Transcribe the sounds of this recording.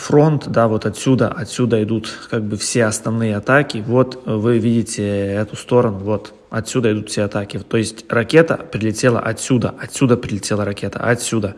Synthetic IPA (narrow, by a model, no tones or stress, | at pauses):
fɾo̞nt̪d̪avo̞t̪ɐt̪sʲud̪ə̰ʔɐt̪ʲsʲud̪əɪd̪ut̪kaɡ̚bɨfsʲe̞ɐsnɐvnɨjəɐt̪akʲɪvo̞t̪vɨvʲidʲɪtʲɪɛt̪ʊst̪o̞ɾənʊvo̞t̪ | ɐt̪sʲud̪əɪd̪ut̪fsʲeɐt̪akʲɪt̪ːo̞jɪsʲtʲrɐkʲe̞t̪ə̰pɾʲɪlʲɪtʲe̞lˠə̰ʔɐt̪ʲsʲud̪ə̰ʔɐtʲsʲːud̪əpɾʲɪlʲɪtʲelˠəɾɐkʲe̞t̪ə̰ʔɐtsʲud̪ə